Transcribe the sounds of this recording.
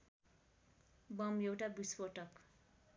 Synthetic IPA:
bʌmjewʈabispoʈʌk

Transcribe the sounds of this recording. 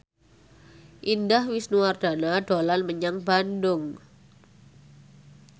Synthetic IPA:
ʔindahwisnuard̥a̤nad̥olanməɲaŋbandʊŋ

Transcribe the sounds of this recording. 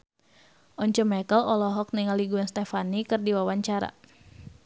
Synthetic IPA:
ʔɔɲt͡ʃɔmɛkəlɔlɔɦɔk̚niŋaliɡuanst̪ɛfanikɨrdiwawaɲt͡ʃaɾa̰

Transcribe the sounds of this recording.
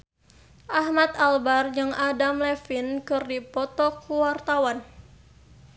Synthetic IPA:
ʔahmat̪albard͡ʒɨŋadamlɛfinkɨrdipɔt̪ɔkuwart̪awan

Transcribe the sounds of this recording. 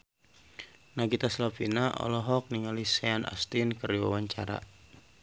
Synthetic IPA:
naɡit̪aslapinaʔɔ̰lɔɦɔk̚niŋaliseanʔa̰st̪inkəriwa̰waɲt͡ʃaɾa̰

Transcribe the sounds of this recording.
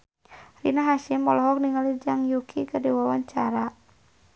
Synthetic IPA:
rinaɦaʃɪmːɔlɔɦɔk̚niŋalid͡ʒaŋjukʰikərdiwawaɲt͡ʃaɾa

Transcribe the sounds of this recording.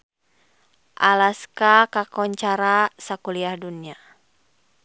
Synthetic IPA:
ʔalaskakakɔɲt͡ʃaɾasakuliahdunia

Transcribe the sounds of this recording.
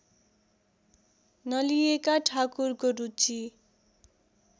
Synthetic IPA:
nʌlijekaʈʰakurkoɾut͡si

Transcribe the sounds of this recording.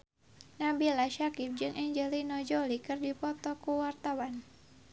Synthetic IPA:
nabilaʃakip̚d͡ʒɨŋʔɛɲd͡ʒəlinɔd͡ʒɔlikɨrdipɔt̪ɔkuwart̪awan

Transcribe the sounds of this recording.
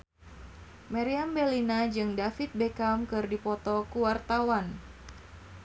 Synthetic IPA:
maɾiambɛlinad͡ʒɨŋdafit̪̚bekamkɨrdipɔt̪ɔkuwart̪awan

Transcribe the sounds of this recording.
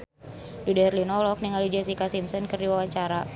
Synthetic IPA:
dudɛrlinɔlɔk̚niŋalid͡ʒɛs̬ikasimsɔnkɨrdiwawaɲt͡ʃaɾa

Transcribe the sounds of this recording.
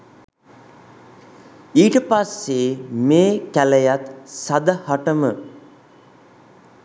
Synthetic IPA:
iːʈəpasːemeːkæləjat̪sad̪əhaʈəmə

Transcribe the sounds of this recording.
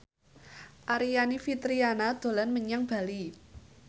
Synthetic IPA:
ʔaɾianifit̪ɾianad̪̥o̤lanməɲaŋb̥a̤li

